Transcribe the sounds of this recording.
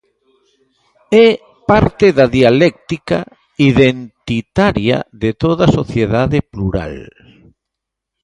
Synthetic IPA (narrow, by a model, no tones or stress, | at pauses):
ɛ | paɾt̪ɪðaðialɛk̚t̪ika̰ | iðent̪it̪aɾja̰ðet̪oðasoθjeðaðepluɾa̰l